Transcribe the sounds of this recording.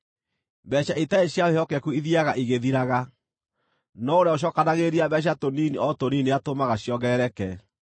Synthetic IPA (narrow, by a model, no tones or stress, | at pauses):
bɛɕaitaeɕjaehɔkɛkuiðiaɣaʔiɣeðiɾaɣa | nɔoɾeaoʃ̬ɔkanaɣeɾiaβɛɕ̬atoniniɔtonineatomaɣaɕjɔɣɛɛɾɛkɛ